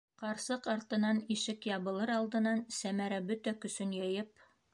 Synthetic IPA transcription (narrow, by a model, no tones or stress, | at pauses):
qɑɾsɤqɑɾt̪ɤ̆nɑniʃɘkjɑβɤ̆lˠɤɾɑlˠd̪ɤ̆nɑnsæmæɾæbɵt̪ækɵ̆sɵnjɤ̆jɤp̚